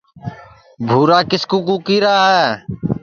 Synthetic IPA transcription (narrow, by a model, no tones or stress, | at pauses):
bʱuːɾaːkɪskuːkuːkiːɾaːɦɛː